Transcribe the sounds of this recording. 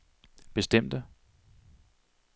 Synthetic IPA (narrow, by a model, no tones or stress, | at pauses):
b̥e̝sd̥em̰d̥ə